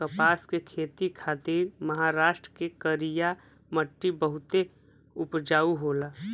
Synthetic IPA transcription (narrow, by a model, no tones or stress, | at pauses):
əpaːskekʰeːt̪ikʰaːt̪iɾməɦaɾaːʃʈɾəkekəɾija | məʈːibəɦʊt̪e | ʊpd͡ʒaːuɦoːlaː